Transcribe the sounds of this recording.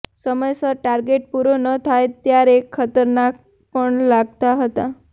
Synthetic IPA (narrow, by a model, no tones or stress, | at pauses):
səməjsəʈaɾɡeʈ̚puɾonət̪ʰajt̪jaɾekʰːət̪əɾnak̚ | pəɳlaɡt̪aɦət̪a